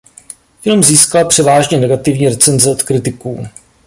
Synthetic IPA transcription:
jɪlmziːskalpr̝̥ɛvaːʒɲɛnɛɡat̪ɪvɲiːɾɛt͡sɛnzɛot̪kɾɪt̪ɪkuː

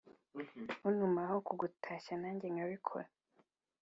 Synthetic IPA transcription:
hunumahokuɡutʰaʃanaːɲɟeŋɡaβikʰo̰ɾa

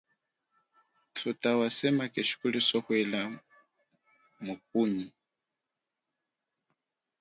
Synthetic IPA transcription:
tʰutawasɛmakɛʃi̥kulisɔhwɛla | muk̚uɲi

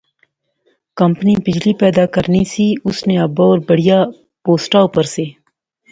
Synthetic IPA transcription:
kɐmpnipɪd͡ʒlipɛːd̪aːkɐɾnisiʊsneɐboːɾbɐɽ̤ijaː | poːsʈaupəɾseː

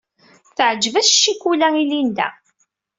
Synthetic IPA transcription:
θəʕd͡ʒːvæsʃːikːulæilind̪æ̰

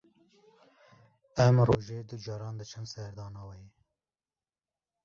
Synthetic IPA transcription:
ɛmroːʒeːd̪ɨd͡ʒɑːɾɑːnd̪ɨt͡ʃʰɨnsɛɾd̪ɑːnɑːwɛj

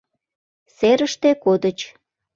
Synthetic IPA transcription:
seɾəʃt̪ekod̪ət͡ɕ

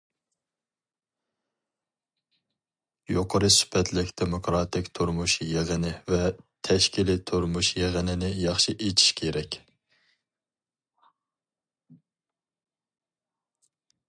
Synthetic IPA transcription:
joqʰəɾɨsy̥pʰɛt̪lɪkʲd̪̥emokɾɑt̪ʰɪkʲt̪ʰuɾmuʃjeʁɨnɪvɛt̪ʰɛʃkʲilit̪ʰuɾmuʃjeʁɪnɪnɪjɑχʃiʔet͡ʃʰi̥ʃkʲʰeɾɛkʲ

